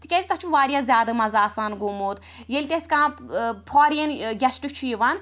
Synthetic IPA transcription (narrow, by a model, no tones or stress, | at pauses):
t̪ikʲɛzʲit̪ɐt͡ʃʰuʋaːɾijaːzʲjaːd̪ɨmɐzaːsaːnɡomoːd̪ | jelʲit̪esʲkãːpʰɔːɾijenɡʲɛsʈɨt͡ʃʰiːʋɐn